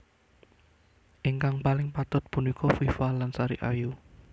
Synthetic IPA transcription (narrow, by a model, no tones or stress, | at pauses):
ʔɪŋkaŋpalɪŋpat̪ʊt̪̚punikʰɔfifalansaɾḭʔa̰ju